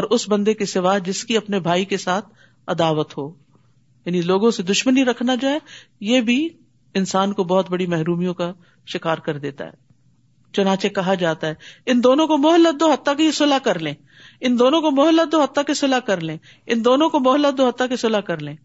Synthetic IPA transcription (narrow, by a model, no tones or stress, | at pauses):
ɔːɾʊsbɐ̃nd̪ekisɪʋaɦd͡ʒɪskiɐpnebʱaːikesaːt̪ʰ | ɐd̪aːʋət̪ɦoː | jaːniloːɡõsed̪ʊʃməniɾɐkʰnad͡ʒoːɛ | jeːbʱi | ɪnsaːnkobɔɦʊt̪̚bɐɽimɛɦɾuːmijõka | ʃɪkaːɾkɐɾd̪eːt̪a̰ɦɛ̰ː | t͡ʃʊnãːt͡ʃekɐɦad͡ʒaːt̪aɦɛːɪnd̪oːnõkomʊɦəlːət̪̚d̪oːɦɐt̪ːakisʊlakɐɾlẽː | ɪnd̪oːnõkomʊɦəlːət̪̚d̪oɦɐt̪ːakesʊlakɐɾlẽː | ɪnd̪oːnõkomʊɦəlːət̪̚d̪oːɦət̪ːakesʊlakɐɾlẽː